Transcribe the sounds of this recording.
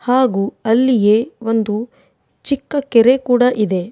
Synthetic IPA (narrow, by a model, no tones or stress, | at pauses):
haːɡuːɐlːije̞ːo̞nd̪u | t͡ʃikːɐkeɾe̞kuːɽɐʔid̪e̞